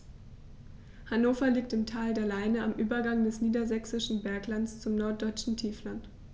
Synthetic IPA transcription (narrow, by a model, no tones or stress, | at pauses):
hanoːfɐliːk̚tɪmtʰaːldeːɐlaɪnəamʔyːbɐɡaŋdɛsniːdɐzɛksɪʃn̩bɛɐklant͡st͡sʊmnɔɐt̚d̥ɔʏt͡ʃn̩tʰiːflant